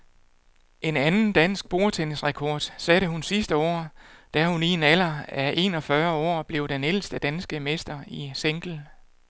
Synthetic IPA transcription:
ʔe̝nænn̩d̥æn̰sɡ̥̚b̥o̝ːɐt͡sʰensʁɛkʰɒːd̥sæɾəɦunsisd̥əɒ̰ːd̥æhuninæl̰ɐæʔe̝̰nɒ̽fɶɐɒ̰ːb̥le̝ʊd̥enel̰sd̥əd̥ænsɡ̥əmesd̥ɐiseŋɡ̥l̩

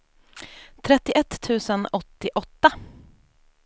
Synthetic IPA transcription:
t̪ʰɾɛt̪ːɪʔɛt̪ʰːʉ̟ːsənɔt̪ːɪʔɔt̪ːa

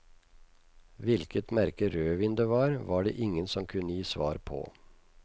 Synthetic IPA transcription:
ʋɪlkət̪mæɾkəɾøːʋɪːnd̪eːʋɑːɾʋɑːɖḛːʔɪŋənsɔmkʰʉnəjiːsʋɑ̰ːɾpʰɔ̰ː

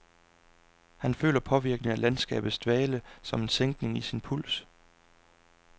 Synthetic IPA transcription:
hænfø̰ːlɐpʰɒ̽ʋiɐɡ̥nəŋælænsɡ̥ɛ̰ːb̥ð̩ˠsd̥ʋɛːləsɒ̽me̝nseŋɡ̥ne̝ŋisinpʰul̰s

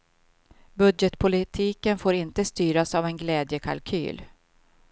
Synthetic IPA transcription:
bɵd̪jɛt̪pʰʊlɪt̪ʰiːkənfoːɾɪnt̪əst̪yːɾasavɛnɡlɛːd̪jəkʰa̰lkʰy̰ːl

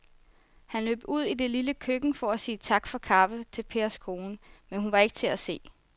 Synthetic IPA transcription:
hænlø̰ːb̥uð̰ˠid̥e̝liləkʰøɡ̥ŋ̩fɒ̽æsiːt͡sʰɑ̈ɡ̥fɒ̽kʰɑ̈fət͡sʰe̝lpʰe̝ɐskʰo̝ːnəmenhunʋɑ̈e̝ɡ̥ət͡sʰe̝æse̝̰ː

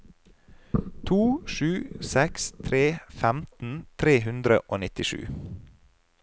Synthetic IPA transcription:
t̪ʰuːʃʉːsɛkst̪ʰɾeːfæmt̪n̩t̪ʰɾeːɦʉnd̪ɾə̰ʔoːnɪt̪ɪʃʉ̰ː

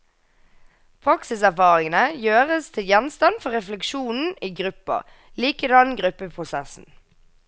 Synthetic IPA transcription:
pʰʁɑksɪsæʁfɑːʁɪŋənəjøːʁəst̪ʰɪljɛnst̪ɑnfɔʁɛflɛkʃuːnn̩iːɡʁʉpə̰ | liːkəd̪ɑnɡʁʉpːəpʰʁʊsɛsn̩

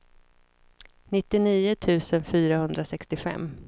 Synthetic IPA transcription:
nɪt̪ːɪniːʊt̪ʰʉ̟ːsənfyːɾahɵnd̪ɾasɛkst̪ɪfɛ̰mː

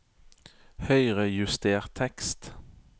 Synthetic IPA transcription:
hœʏʁəjʉst̪ʰeːʁt̪ʰɛkst̪

